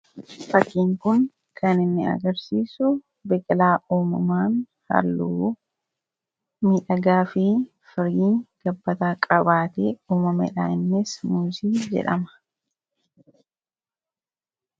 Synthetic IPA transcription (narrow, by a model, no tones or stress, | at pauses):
fɐkːiːŋkʊn | kʰɐnɪnːɪɐ̰ɡɐɾsiːsʊ | bɛkʼɪlaːʔuːmʊmaːn | hɐ̰lːuː | miːᶑɐɡaːfɪ | fɪɾiːŋɡ̥ɐbːɐt̪aːkʼɐbaːt̪eːuːmɐmɛ̰ᶑa̰ːɪnːɪsmuːziːd͡ʒɛ̰ᶑɐ̰mɐ̥